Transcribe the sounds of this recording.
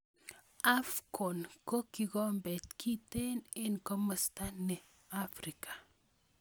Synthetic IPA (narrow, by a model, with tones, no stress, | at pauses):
a˦fkʰɔ˨nko˦ki˨ɡɔ˦mbɛ˨tkʰi˦tɛ˦nɪnko˦məsta˦nɛ˨ | a˦fɾikḁ˨